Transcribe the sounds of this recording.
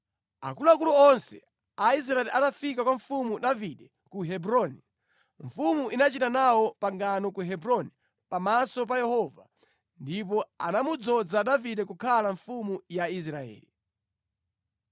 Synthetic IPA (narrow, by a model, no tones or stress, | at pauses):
a̰kuluakulɔɔnsɛ̰ | ais̬ɾaɛliʔanafikakwaɱfumuɗaviɗɛ | kuɦɛbɾɔni | ɱfumuʔinat͡ʃitanawɔpaŋɡanɔkuɦɛbɾɔni | pamasɔp̬ajɛhɔva̰ | ndip̬ɔa̰namud͡zɔd͡zaɗaviɗɛkukʰalaɱfumujais̬ɾaɛ̰ːli